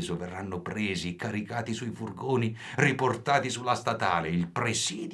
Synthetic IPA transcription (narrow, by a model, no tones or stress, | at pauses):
zoverːanːopɾeːzikaɾikaːt̪isuifurɡoːni | riport̪aːt̪isulːast̪at̪aːleilpɾesiːd̪